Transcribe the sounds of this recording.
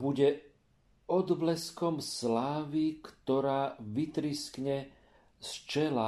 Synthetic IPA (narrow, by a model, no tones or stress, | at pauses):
buɟɛ | ɔd̪blɛskɔmslaːʋikt̪ɔɾaːʋit̪ɾiskɲɛ | st͡ʃɛla